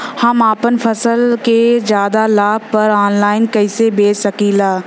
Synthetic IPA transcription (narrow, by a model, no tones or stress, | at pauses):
hɐmaːpənpʰɐsəlked͡ʒjaːd̪alaːb̚pɐɾaːnlaːɪnkɐɪsebeːt͡ʃsɐkilaː